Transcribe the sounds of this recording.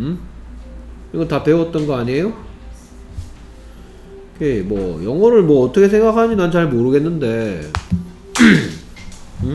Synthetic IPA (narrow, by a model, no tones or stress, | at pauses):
ɯ | iɡʌtape̞wʌt̚t͈ʌnɡʌaɲie̞jo | kemwʌjʌŋʌɾɯɭmwʌːt͈ʰʌkʰe̞sʰe̞ŋɡakʰaɲinant͡ɕaɭmoɾɯɡe̞nːɯnde̞ | ɯ